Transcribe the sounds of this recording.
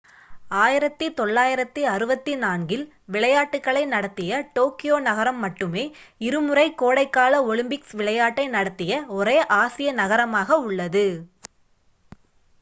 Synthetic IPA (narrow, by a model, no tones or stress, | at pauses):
aːjɪɾɐt̪ːɯt̪ɔɭːaːjɪɾɐt̪ːɯɐɾɯbɐt̪ːinaːnɡɪl | ʋɪɭɐjaːʈːɯkːɐɭɐɪnɐɽɐt̪ːɪjɐʈoːkɪjoːnɐɣɐɾɐmːɐʈːɯmeː | ɪɾɯmɯrɐɪkːoːɽɐɪkːaːlɐɔɭɪmbɪksʋɪɭɐjaːʈːɐɪnɐɽɐt̪ːɪjɐɔɾeːʔaːsɪjɐnɐɣɐɾɐmaːɣɐʊɭːɐðɯ